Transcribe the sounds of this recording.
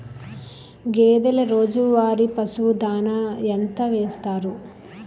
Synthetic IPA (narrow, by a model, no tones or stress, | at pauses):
ɡeːd̪ɐlɐɾoːd͡ʒuʋaːɾipɐsud̪aːnɐent̪ɐʋeːst̪aːɾu